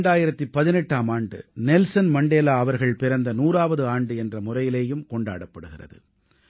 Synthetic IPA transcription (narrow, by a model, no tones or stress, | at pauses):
ɳɖaːjɪɾɐt̪ːipːɐðɪnɛʈːaːmaːɳɖɯ̰nɛlsɐnmɐɳɖeːlaːɐʋɐɾɣɐɭpɪɾɐnd̪ɐnuːraːʋɐðɯaːɳɖɯɛndrɐmʊrɐjɪleːjɯmkɔɳɖa̰ːɽɐpːɐɽɯɣɪrɐ̰ðɯ̰